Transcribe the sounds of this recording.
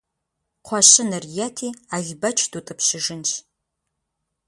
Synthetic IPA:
qʷʰɑɕɪnɨrjɛtʰiːaʒbɐt͡ʃʰdutʼɐpʰɕɪʒɨnʃ

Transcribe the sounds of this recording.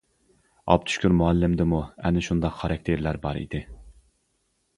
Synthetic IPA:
ɑ̰p̚t̪ʰy̥ʃkʲyɾmuɑlːɪmd̪ɪmuæ̰nɪʃund̪ɑqχɑɾɑk̚ʲt̪ʰeɾlæɾbɑɾḭd̪ɪ

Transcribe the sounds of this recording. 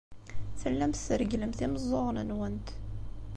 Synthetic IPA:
θəlːæmθəɾɡləmθiməzˤːoʁnənwænt̪

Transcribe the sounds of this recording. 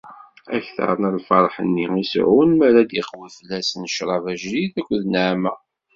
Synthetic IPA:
æçθɑ̰ɾˤnəlfɑɾˤħənːiisʕunmæɾæd̪jəqwifəlːæsnʃɾˤɑvæʒliθækʷːðnaʕmæ

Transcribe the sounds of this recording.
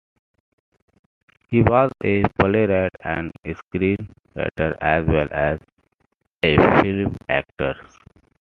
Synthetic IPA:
hiːʋɔːzepəleɾɛʈæ̰̃ɳɖeskɾĩːn | ɾɛ̰ʈəɾæzʋɛlʔæz | efɪlmæ̰ːk̚ʈəɾ

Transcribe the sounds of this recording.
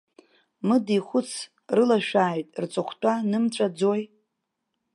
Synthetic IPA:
mɨdiχʷʊt͡sʰ | rɨlaʃᶣaːjtʼrt͡sʷʼɨχʷtʼanɨmt͡sʷʼad͡zoj

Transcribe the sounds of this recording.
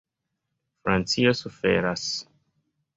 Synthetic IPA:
fɾant͡sio̞sufe̞̰ɾas

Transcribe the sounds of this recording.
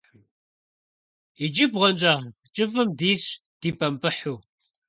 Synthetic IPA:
id͡ʒibʁnt͡ʃʼaːʁ | t͡ʃʼɪfɨmdiːɕ | d̥iːpʼɐmpʼɨħuː

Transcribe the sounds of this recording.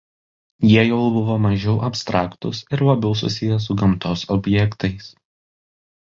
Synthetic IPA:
jiɛjɛʊbʊʋoːmɐʒʲɛʊʔɐpʲst̪ɾɑːkt̪ʊsɪɾlɐbʲɛʊsʊ̰sʲɪjɛsʊɡɐmt̪oːsɔbʲjɛkt̪ɐɪs

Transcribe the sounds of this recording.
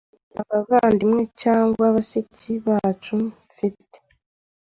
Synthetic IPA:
aβaɡandimŋe̞caːŋɡwaβaʃiciβat͡ʃuɱ | fite̥

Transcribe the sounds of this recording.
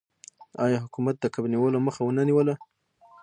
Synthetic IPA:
ɑjɑɦʊkumat̪̚d̪əkabniwəloməxawənaniwəla

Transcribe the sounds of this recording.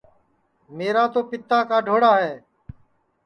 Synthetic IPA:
meːɾaːt̪oːpɪt̪aːkaːɖʱoːɽaːɦɛː

